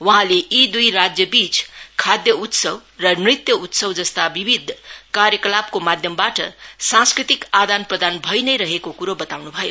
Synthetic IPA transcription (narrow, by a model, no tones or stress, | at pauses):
wʌɦãleʔid̪ujrad͡zjʌbit͡skʰad̪jʌut̪sʌbrʌnrit̪jʌut̪sʌwd͡zʌst̪abibʱid̪ʱkarjʌkʌlap̚komad̪ʱjʌmbaʈʌ̰sãnskrit̪ikad̪anprʌd̪anbʱʌjnʌjɾʌɦekokuɾobʌt̪awnubʱʌjo̰